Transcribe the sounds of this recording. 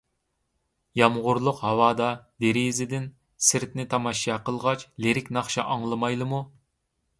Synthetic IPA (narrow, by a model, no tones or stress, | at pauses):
jɑmʁʊɾlˠʊqɦhɑwɑːd̪ɑd̪eɾizɪd̪ɪn | sɪɾt̪nɪt̪ʰɑmɑʃɑqəlˠʁɑt͡ʃleɾɪkʲnɑχʃɑʔɑŋlˠɨmɑjlˠɨmu